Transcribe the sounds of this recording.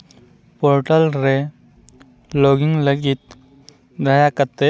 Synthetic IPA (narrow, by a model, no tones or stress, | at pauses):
poɾʈəlɾe | loɡiŋɡləɡiːt̪̚ | d̪ʱajakət̪ːe